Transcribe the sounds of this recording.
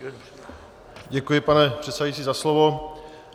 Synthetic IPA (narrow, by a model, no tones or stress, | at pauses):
ɟɛkujɪpanɛpr̥ɛt̪sɛajit͡siːzaslovo̞